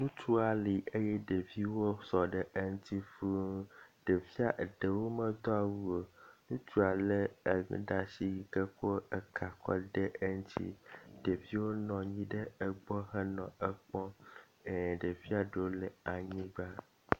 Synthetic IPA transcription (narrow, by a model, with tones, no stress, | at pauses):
nũ˦t̪ʰu˦a˨li˨e˦jɛ˦ɖe˨vi˦wo˦sɔ˨ɖɛ˨ʔe˦ŋ˦t̪ʰi˦fu˦ɖ̥e˨fi˦a˨ʔɖe˨wo˦mə̃˦d̪ɔ˦a˨wu˦˨o˨nũ˦t̪ʰu˦a˨lḛ˦˨˦ɖa˨si˦ji˨kə˦k͡po˦ə˨kʰa˨kʰɔ̰˦ɖe˦ʔe˦ŋ˦t̪ʰḭ˦ɖ̥e˨vi˦wo˦nɔ̃˨ɲĩ˦ɖə˦ɛ˦ɡ͡bɔ˦ɦɛ˦nɔ̃˨ɛ˦k͡pɔ̃˦ | ɛ˨ɖe˨fi˦a˨ɖə˨wo˦lɛ˨a˨ɲĩ˦ɡ͡ba˦